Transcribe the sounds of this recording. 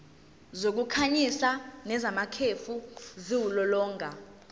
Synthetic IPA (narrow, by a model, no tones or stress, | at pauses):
zok̬ukʰaɲisanɛzamakʰefuziwulɔlɔːŋɡʱa